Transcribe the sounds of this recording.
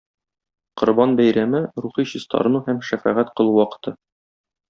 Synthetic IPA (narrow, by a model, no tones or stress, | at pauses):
qŏɾbɑnbæjɾæmɘɾuχiɕɤ̆st̪ɑ̰ɾɤ̆nuhæmʃæfæʁæt̪qɤ̆lˠuwɒqɤ̥̆t̪ɤ